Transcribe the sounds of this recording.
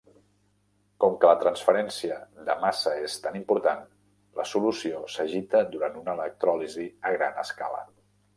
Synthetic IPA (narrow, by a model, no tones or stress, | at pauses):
kɔmkələt̪ɾənsfəɾɛnsiəd̪ə̰masəest̪animpuɾt̪an | ləsulusiosəʒit̪əd̪uɾant̪unələk̚t̪ɾɔliziəɣ̞ɾa̰nə̰ska̰lə̰